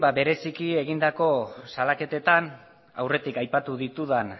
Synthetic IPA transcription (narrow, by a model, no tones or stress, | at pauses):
babe̞ɾe̞sikie̞ɣ̞ind̪ako̞salake̞t̪e̞t̪an | a̰wre̞t̪ikajpat̪uðit̪uðan